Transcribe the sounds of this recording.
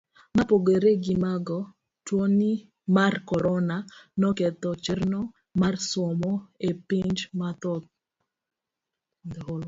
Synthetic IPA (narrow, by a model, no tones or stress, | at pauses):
mapoɡeɾeɡimaɡɔ | twoni | markɔɾɔnanɔkɛt̪ɔt͡ʃɪrnɔ | marsɔmɔepiɲd͡ʒmat̪ɔt̪̚ | d̪ɛɦol